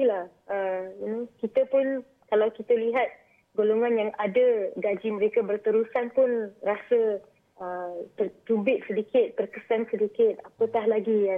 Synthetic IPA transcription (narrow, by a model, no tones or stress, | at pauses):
ilah | əinikit̪əpʊn | kalawkit̪əliɦat̪̚ | ɡoloŋãnjaŋadəɡad͡ʒiməɾekabərt̪əɾusanpʊnrasə | ətət̪ubɪt̪̚sədikɪt̪̚pərkəsansədikɪt̪̚apət̪ahlaɡia